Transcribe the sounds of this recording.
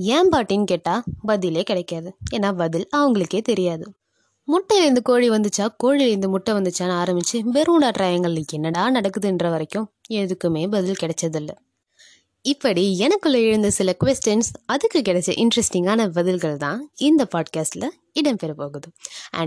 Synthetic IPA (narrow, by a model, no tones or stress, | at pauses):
jɛːmpaːʈːinkeːʈːaːbɐðɪleːkɪɽɐkːaːðɯeːnːaːbɐðɪlɐʋɐŋɡɐɭɯkːeːt̪ɛɾɪjaːðɯ | mʊʈːɐlɛɾnd̪ɯkoːɻiʋɐnd̪ɯt͡ʃːaːkoːɻiɛɾnd̪ɯmʊʈːɐ̃ʋɐnd̪ɯt͡ʃːaːnaːɾɐmbɪt͡ʃːɯbɛɾuːɖaːʈɾaːjɐŋɡɐɭlɐɛnːɐɽaːnɐɽɐkːɯðɯɛndrɐʋɐɾɐkːʊ̃ɛðɯkːɯmeːbɐðɪlkɪɽɛt͡ʃːɐðɪlːɐ | ɪpːɐɽiɛnɐkːɯɭːɐɪɻɯnd̪ɐsɪlɐkʋɛsʈɐnsɐðɯkːɯkɪɽɛt͡ʃːɐ̰ʔɪnɖɾɛsʈɪŋɡaːnɐbɐðɪlɣɐɭt̪ã̰ːɪnd̪ɐpaːɖkaːsʈlɐ | ɪɽɐmpɛɾɯpoːɣɯðɯɛ̰